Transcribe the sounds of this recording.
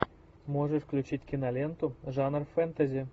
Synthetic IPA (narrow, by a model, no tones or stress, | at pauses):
moʐə̆ʂklʲut͡ɕitʲkʲinɑlʲent̪uʐɑnərfɛnt̪azʲi